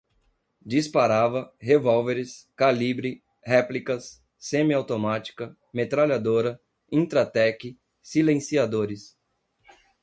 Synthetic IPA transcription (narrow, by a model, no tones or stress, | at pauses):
d͡ʒispaɾavɐɦevɔwveɾɪskalibɾi | hɛplikɐsː | ẽmiawt̪omat͡ʃi̥kɐ | met̪ɾaʎad̪oɾɐ | ĩt̪ɾat̪ɛkɪ | silẽsiad̪oɾɪs